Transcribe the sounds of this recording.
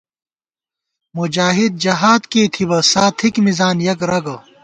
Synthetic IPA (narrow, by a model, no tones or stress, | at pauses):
mud͡ʑaːɦid̪̚d͡ʑɐɦaːd̪keːt̪ʰibɐsaːt̪ʰikmizaːnjɐkɾɐɡɐ